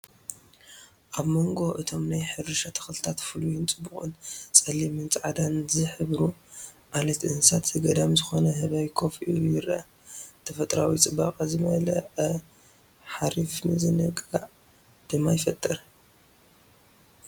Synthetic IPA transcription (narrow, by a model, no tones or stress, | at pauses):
ʔaβmo̞ŋɡo̞ʔɨt̪ʰo̞mnajħɨrɨʃat̪ʰɐ̥xlɨt̪ʰat̪fɨlujɪnt͡sʼɨbːuχʼɨnt͡sʼɐlːimɨnt͡sʼʕad̪anzɨħɨβɾu | ʔalɐt̪ʔɨnsat̪zɨɡɐd̪amzɨxo̞nɐhɨβajkʰo̞fijuɪɾɐ | t̪ʰɐfɐt̪ʼɾawit͡sʼɨbːaqʼazɨmɐlɐʕɐ | ħaɾifnɨzɨnɨkʼaʕ | d̪̥ɨmːajɪfɐt̪ʼːɨɾ